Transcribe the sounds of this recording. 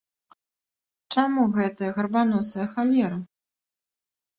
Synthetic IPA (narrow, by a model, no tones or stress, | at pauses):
t͡ʂamuɣɛt̪ɐjɐɣɐrbanɔsɐjɐxalʲɛɾɐ